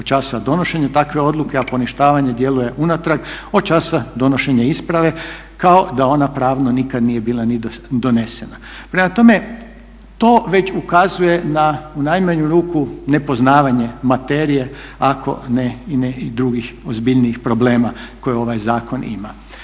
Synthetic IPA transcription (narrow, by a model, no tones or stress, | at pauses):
ot͡ʃaːsad̪o̞no̞ʃe̞ɲat̪akʋe̞o̞d̪luke̞apo̞niʃt̪aːʋaɲe̞d̪je̞luje̞ʔunat̪ɾaɡo̞t͡ʃaːsad̪o̞no̞ʃe̞ɲeispɾaʋe̞ | kao̞d̪ao̞napɾaːʋnonikad̪nije̞biːlanid̪o̞ne̞se̞na | pɾe̞mat̪o̞me̞ | t̪o̞ːʋe̞t͡ɕukazuje̞naunajmaɲuɾuːkune̞po̞znaːʋaɲe̞mat̪eːɾije̞akʰo̞̰neineid̪ɾuɡixo̞zbiʎniixpɾo̞ble̞ːmako̞jeo̞ʋajzaːko̞nḭma